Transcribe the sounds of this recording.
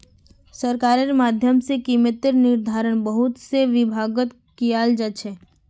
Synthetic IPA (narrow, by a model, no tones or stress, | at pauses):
səɾkaːɾeɾmaːd̪ʱjəmsekiːmət̪ɪɾnɪɾd̪ʱaːɾəɽ̃bəɦʊt̪seʋɪbʱaːɡət̪ | kijaːld͡ʒat͡ʃʰɛː